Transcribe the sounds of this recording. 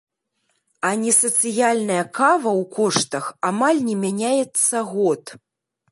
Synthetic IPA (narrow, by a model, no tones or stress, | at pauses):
ɐnʲɛsɐt̪sɨjalʲnɐjɐkavɐwkɔʂt̪ɐxamalʲnʲɛmʲanʲajɛt̪sːɐɣɔt̪